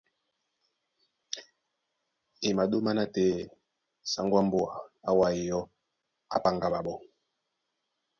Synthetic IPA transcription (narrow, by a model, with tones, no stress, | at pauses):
e˨ma˨do˦ma˦na˦tɛ˦˨ | sa˨˦ŋ˦ɡwa˦mbo˦a˨a̰˦wa˦i˨jɔ˦ | a̰˦pa˦ŋɡa˨ba˨bɔ˦